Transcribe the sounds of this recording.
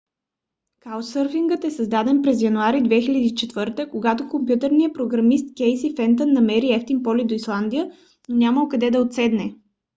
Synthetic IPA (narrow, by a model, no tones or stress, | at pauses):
kaʊsɤɾfiŋɡət̪ɛsɐzd̪ad̪ɛnpɾɛzjɐnuaɾid̪vɛxilʲəd̪iːt͡ʃɛt̪vɤɾt̪əkoɡat̪okompjut̪ɛɾnijəpɾoɡɾɐmist̪kʲɛjsifɛnt̪ənːɐmɛɾiɛft̪inpɔlid̪oislˠand̪ijə | nonʲaməlˠkɐd̪ɛd̪ɐot̪sɛd̪nɛ